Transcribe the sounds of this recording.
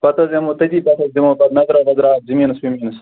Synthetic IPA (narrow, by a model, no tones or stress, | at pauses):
pɐt̪ɐzʲemoːt̪ɐd͡ʑiːpɐt̪ɐd̪ɐmoːpɐt̪nɐzɾaːbɐzɾaːzimiːnɐspimiːnɐs